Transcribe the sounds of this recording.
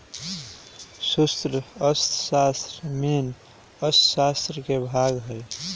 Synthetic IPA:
sust̪ɾəəst̪sast̪ɾmen | əst̪sast̪ɾəkebʱaɡɦəj

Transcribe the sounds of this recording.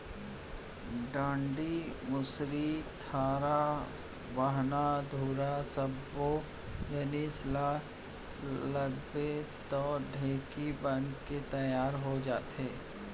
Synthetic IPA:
ɖãːɳɖimʊsɾit̪ʰaːɾa | bəɦnad̪ʱuːɾasɐbːo | jaːnisla | lɐbet̪ɔːɖʱeːkibənket̪ɐjaːɾɦod͡ʒaːt̪ɦɛː

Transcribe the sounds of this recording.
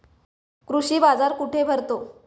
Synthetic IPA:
kɾuɕiːbad͡zaɾkuʈʰebʱəɾt̪o

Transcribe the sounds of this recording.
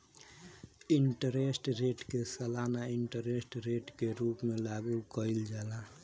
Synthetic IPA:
ɪɳʈəɾesʈɾeːʈkesəlaːnaɪɳʈəɾeːsʈɾeːʈkeɾuːpmẽlaːɡukəɪld͡ʒaːla

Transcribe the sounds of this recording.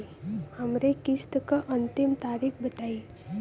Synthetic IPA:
həmɾekist̪əkaʔənt̪imt̪aːɾikbət̪ai

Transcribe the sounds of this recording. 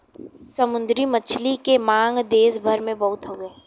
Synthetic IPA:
səmʊ̃nd̪ɾimət͡ʃʰlikemãːŋɡd̪eːsbʱəɾmẽbɐɦʊt̪ɦoːɡəeː

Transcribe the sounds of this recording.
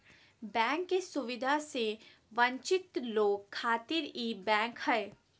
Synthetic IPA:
bɛ̃ːŋkːesʊʋɪd̪ʱase | ʋɐ̃ɲt͡ʃɪt̪loːɡkʰːaːt̪ɪɾibɛ̃ːŋkhɛe

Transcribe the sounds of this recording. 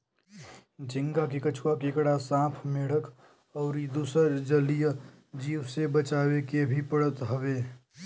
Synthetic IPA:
d͡ʒɪ̃ŋɡakikət͡ʃʰuwakɪkɽasãːpʰmeɽ̤ək | ɔːɾid̪uːsəɾd͡ʒəlijə | d͡ʒiːwsebət͡ʃaːwekebʱipəɽ̤ət̪ɦɐweː

